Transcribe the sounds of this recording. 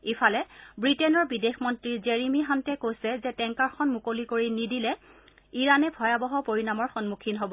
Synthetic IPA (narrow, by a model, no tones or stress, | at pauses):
efʰalɛbɹitɛnɔɹbidexmɔntɹiɹzeɹimiɦantɛkojsɛzɛtɛŋkaɹxʰɔnmukolikoɹinidilɛ | iɹanɛbʱɔjabɔɦɔpoɹinamɔɹxɔnmukʰinɦobɔ